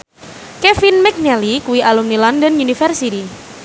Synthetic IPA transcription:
kɛfinmɛk̚nɛlikuwiʔalumnilandənunifərsiti

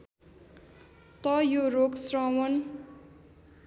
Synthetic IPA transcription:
t̪ʌjoroksrʌwʌn

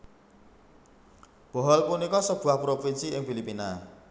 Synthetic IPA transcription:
b̥ɔ̤ɦɔlpunikɔsəb̥uahpɾofinsiɪŋfilipina

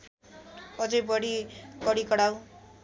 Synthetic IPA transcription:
ʌd͡zʌjbʌɽikʌɽikʌɽaw

